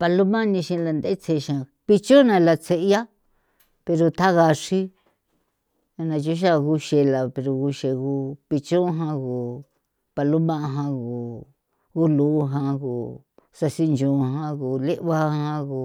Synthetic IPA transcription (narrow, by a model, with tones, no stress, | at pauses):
pa˧lu˦mã˦nĩ˧ʃĩ˧la˧nd̪e˦t͡se˧ʃã˨˧ | pi˧t͡ʃo˦nã˧la˧t͡se˧ʔja˦ | pe˧ɾo˧t̪ʰa˦ɣa˧ʂi˦ | a˧nã˧t͡ʃu˦ʃ̬a˦ɣu˧ʃe˧la˨pe˧ɾo˧ɣu˧ʃe˧ɣu˧˦pi˧t͡ʃõ˦ɦã˧ɣu˨ | pa˧lu˦mã˦ʔa˧ɦã˧ɣu˨ | ɣu˦lu˧˦˧ɦã˧ɣu˨ | sa˧si˦nd͡ʒõ˨˧ɦã˧ɣu˨le˦ʔβa˦hã˧ɣu˨